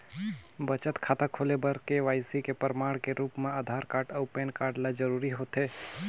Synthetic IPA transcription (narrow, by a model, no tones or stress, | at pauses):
bət͡ʃət̪kʰaːt̪akʰolebəɾkeʋaːɪsikepəɾəmaːɽkeɾuːpmẽəd̪ʱaɾkaːɾʈəʊpenkaːɾɖlad͡ʒəɾuɾiɦot̪e